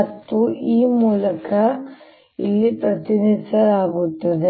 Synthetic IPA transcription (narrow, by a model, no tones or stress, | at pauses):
ɐt̪ːuiːmuːlɐkɐ | ḭlːipɾɐt̪inisɐɾaːɡut̪ːɐd̪e